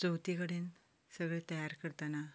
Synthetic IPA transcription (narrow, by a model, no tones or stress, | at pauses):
d͡zəwt̪ikəɽen | səɡɭet̪əjaɾkəɾt̪ana